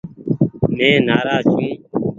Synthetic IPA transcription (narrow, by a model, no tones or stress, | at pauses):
mẽːnaːɾaːzt͡ʃʰũː